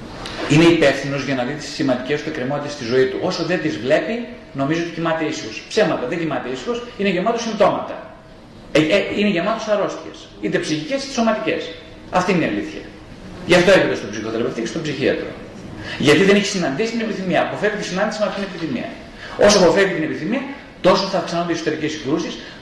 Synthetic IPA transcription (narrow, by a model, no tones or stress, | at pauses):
ine̞ipe̞fθino̞zʝɐnɐðit̪i̥ssimɐnd̪ice̞st̪uekɾimo̞t̪it̪est̪izo̞it̪uʔo̞soðe̞nd̪izvle̞pi | no̞mizoot̪icimɐt̪e̞isixo̞spsemɐt̪ɐðeɲɟimɐt̪e̞isixo̞sineʝemɐt̪o̞sint̪o̞mɐt̪ɐ̰ | eineʝemɐt̪o̞sɐɾo̞st̪içḛs | it̪e̞psiçicest̪so̞mɐt̪ice̞̰s | ɐft̪ineniɐliθçɐ̰ | ʝɐft̪o̞epit̪est̪obsixo̞t̪eɾepeft̪icest̪obsiçiɐ̰t̪ɾo̞̰ | ʝɐt̪iðeniçe̥sinɐnd̪isi̥t̪ine̞piθimiɐːpo̞fe̞vit̪isinɐnd̪isimɐfit̪inepiθimḭɐ̰ | o̞soɐpo̞fe̞vit̪inepiθimiɐ | t̪o̞soθɐːfksɐnond̪eksot̪eɾicesŋɡɾusis